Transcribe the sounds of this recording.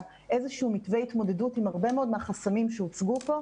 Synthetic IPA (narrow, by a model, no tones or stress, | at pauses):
ʔezeʃiumitvejitmo̞de̞dutimaʁbe̞meo̞d̪meaχasamimʃeut͡sɡupo̞